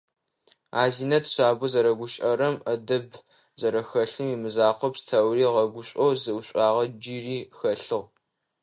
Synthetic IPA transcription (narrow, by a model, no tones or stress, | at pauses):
aːziːnɐtɕʷaːbʊzɐɾɐɡʷʊɕʼɐɾɐmɐdɐb | zɐɾɐxɐɬɨmiːmɨzaːqʷɔpstʰɐwriːʁɐɡʷʊɕʷʼowzɨwɕʷʼɑːʁɐd͡ʒiriːxɐɬɨʁ